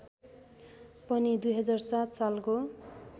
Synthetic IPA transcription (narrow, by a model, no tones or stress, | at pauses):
pʌnid̪ujɦʌd͡zarsat̪̚t͡salko